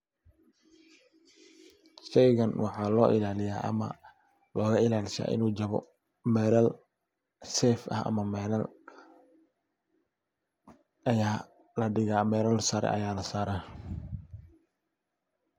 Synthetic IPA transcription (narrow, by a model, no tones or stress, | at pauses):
ʃɛjɣɐnwɑħɑːlɔːʔɪlaːlɪja̰ːʔɐ̰mɐ̰ | lɔːɣɐɪlaːlɪʃa̰ːʔɪ̰nuːd͡ʒɐβɔ̰ | mɛːɾɐl | sɛːfɐ̰ɦɐ̰mɐmɛːlɐl | ɐjaː | lɐɖɪɣaːmɛːɾɐlsɐɾɛ̰ʔɐ̰jaːlɐsaːɾaː